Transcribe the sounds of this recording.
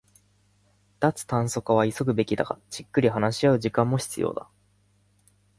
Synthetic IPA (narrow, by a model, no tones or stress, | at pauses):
d̪at͡sɨ̥t̪ãɰ̃so̞kaβ̞aiso̞kɯ̟be̞kʲid̪a̰ɡad͡ʑ̥ikːɯ̟ɾʲiɦanaɕiaɯ̟ʑikãmːo̞çi̥t͡sɨjo̞̰ːd̪a̰